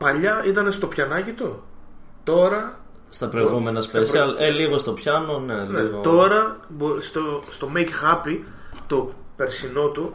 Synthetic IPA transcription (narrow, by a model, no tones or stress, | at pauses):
pɐʎɐit̪ɐne̞st̪o̞pçɐnɐcit̪ot̪o̞ɾɐ | st̪ɐpɾoiɣume̞nɐspesiɐleliɣo̞st̪o̞pçɐno̞nelneot̪o̞ɾɐbost̪ost̪o̞mejkxɐpi | t̪ope̞ɾsino̞t̪u